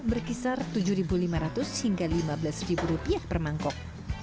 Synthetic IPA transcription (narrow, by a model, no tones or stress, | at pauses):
bərkisart̪ud͡ʒʊɾibulimaɾat̪ʊshiŋɡalimablasribuɾupiahpərmaŋkɔk̚